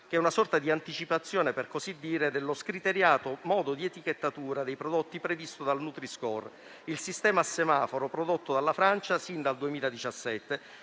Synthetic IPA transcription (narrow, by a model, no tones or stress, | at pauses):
k̟ɛunasɔrt̪ad̪iant̪it͡ʃipat̪sːjɔːneperkozid̪ːiːɾed̪elːoskɾit̪eɾjaːt̪omɔːd̪od̪iet̪iket̪ːat̪uːɾad̪ejpɾod̪ot̪ːipɾevist̪od̪alnut̪ɾiskɔr | ilsist̪ɛːmasːemaːfoɾopɾod̪ot̪ːod̪alːafɾant͡ʃasind̪ald̪uemiːlad̪it͡ʃasːɛt̪ːe